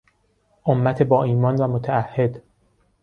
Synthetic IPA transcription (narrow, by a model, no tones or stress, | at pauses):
ʔomːæt̪ʰebɒːʔiːmɒːnvæmot̪ʰææhːe̞d̪